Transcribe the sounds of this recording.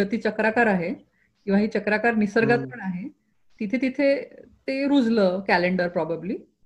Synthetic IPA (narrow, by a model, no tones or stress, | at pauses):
ət̪iːt͡ɕəkɾakaɾaɦe | kĩw̃ʋaɦiːt͡ɕəkɾakaɾnisəɾɡat͡s̪pəɳaɦe | t̪it̪ʰet̪it̪ʰet̪eɾud͡zləːkæleɳɖəɾpɾɔbabliː